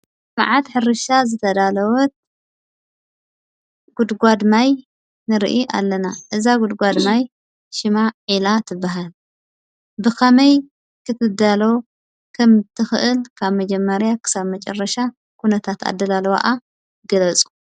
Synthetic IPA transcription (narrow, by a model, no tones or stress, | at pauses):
ma̰ʕat̪ħɨrɨʃazɨt̪ʰɐd̪alɐwɔt̪̚ | ɡ̥ud̪ɡʷad̪maj | nɨɾiʔiʔa̰lːɐnaʔɨzaɡud̪ɡʷad̪maj | ʃɪmaʕilat̪ʰɨbːaɦal | bɨkʰɐmɐj | kʰɨt̪ʰɨd̪alo | kʰɐmt̪ʰɨxɨʔɨlkʰaβmɐd͡ʒɛmːɐɾjakʰɨ̥saβmɐt͡ʃʼɐrːɐʃa | kʰunɐt̪ʰat̪ʰa̰d̪ːɐlalwa̰ʔa | ɡɐlɐt͡sʼu̥